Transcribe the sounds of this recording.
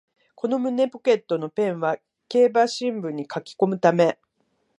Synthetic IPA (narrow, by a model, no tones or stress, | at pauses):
ko̞no̞mɯ̟ne̞po̞ke̞t̪ːo̞no̞pẽ̞ɰ̃βa | ke̞ːbaɕĩmbɯ̟̃ɲ̟ːikakʲi̥ko̞mɯ̟t̪ame̞